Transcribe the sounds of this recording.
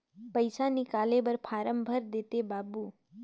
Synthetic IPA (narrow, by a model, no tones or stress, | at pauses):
pəjsanikalebəɾpʰaɾəmbʱəɾd̪et̪ebabu